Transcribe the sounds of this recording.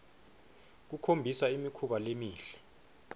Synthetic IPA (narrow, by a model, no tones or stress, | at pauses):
k̬ukʰombʱisaimikʰuɓalemiːɬɛ̥